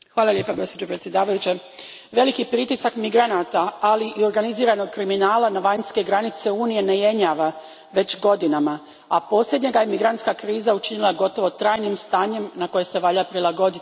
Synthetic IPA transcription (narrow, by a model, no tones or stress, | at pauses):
xʋaːlˠalje̞ːpaɡo̞spo̞d͡ʑo̞pɾet̪sjed̪aːʋajut͡ɕe | ʋe̞likipɾit̪isakmiɡɾanat̪aːliʔio̞ɾɡaniziːɾano̞ɡ̚kɾiminaːlanaʋaɲske̞ɡɾanit̪se̞uːnije̞ne̞je̞ɲaʋa | ʋe̞t͡ɕɡo̞d̪inama | apo̞ːsʎʲe̞d̪ɲe̞ɡajemiɡɾant̪skakɾiːzaut͡ʃinilˠaɡo̞t̪o̞ʋot̪ɾaːjnimst̪aːɲe̞mnako̞jese̞ʋaʎapɾilˠaɡo̞d̪it̪